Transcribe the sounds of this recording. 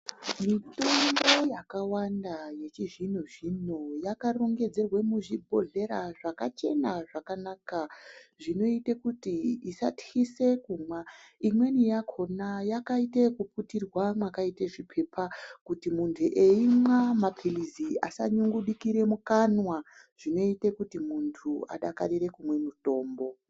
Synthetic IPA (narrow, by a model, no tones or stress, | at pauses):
mito̞ŋɡo̞jakawandaje̞t͡ʃiʐinuʐinojakaroŋɡe̞d͡ze̞rwemuʐibʱo̞ɮe̞ɾaʐakat͡ʃe̞naʐakanaːkaʐino̞itekutiisa̰txise̞kumwaimwe̞nijakʰo̞najakaitekuputirwamwakaiteʐipʰe̞pʰakutimuntʰuʔeimwamapʰilizia̰sa̰ɲuŋɡuɗikiɾe̞mukanwa | ʐ̥ino̞itekutimuntʰua̰ɗaka̰ɗiɾe̞kumwe̞muto̞ːmbo̞